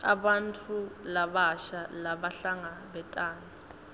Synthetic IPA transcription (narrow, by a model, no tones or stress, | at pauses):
a̰ɓantʰʼulaɓaʃalaɓaɬaŋaɓɛtʼaːna